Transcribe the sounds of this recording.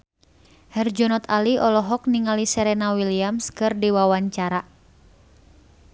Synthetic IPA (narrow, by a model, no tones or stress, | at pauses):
hɛrd͡ʒɔnɔt̪ʰaliʔɔlɔɦɔk̚niŋalisɛɾɛnawiliamskɨrdiwawaɲt͡ʃaɾa